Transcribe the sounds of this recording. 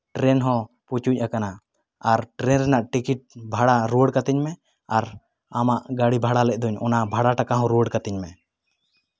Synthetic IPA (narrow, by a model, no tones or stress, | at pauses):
ʈɾɛnɦɔ̃ | put͡ʃuc̚ˀakana | aɾʈɾɛnɾɛnaʔʈikiʈ̚bʱaɽaɾuəɽkat̪ɛɲmɛ | aɾ | amaʔɡaɽibʱaɽalɛc̚ˀd̪ɔɲɔnabʱaɽaʈakaɦɔ̃ɾuəɽkat̪ɛɲmɛ